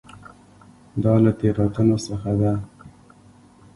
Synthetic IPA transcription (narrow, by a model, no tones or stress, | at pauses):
d̪ɑlat̪eɾɑt̪ənosəxad̪a